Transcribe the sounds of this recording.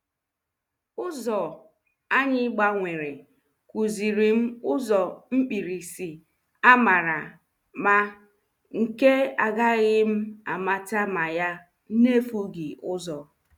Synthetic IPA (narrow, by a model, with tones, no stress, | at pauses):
ʊ˦zɔ˨ | a˦ɲɪ˦ɡ͡ba˦ŋʷe˨ɾe˨ | ku˨zi˨ɾi˨m̩˦ʊ˦zɔ˨m̩˦k͡pi˨ɾi˨si˨ | a˦ma˨ɾa˨ | ma˦ | ŋ̩˨ke˦a˨ɡa˦ɣɪ˦m̩˦a˨ma˨ta˦ma˨ja˦ | ne˦fu˦ɡɪ˨ʔʊ˦zɔ˨